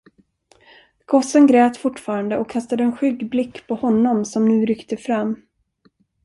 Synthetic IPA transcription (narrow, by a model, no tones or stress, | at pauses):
ɡ̥ʰɔsənɡɾɛːt̪fʊʈːfɑːɾand̪əɔkkʰast̪ad̪əɛnɧʏɡblɪkːpʰɔhɔnːɔmsɔmnʉ̟ːɾʏkt̪əfɾamː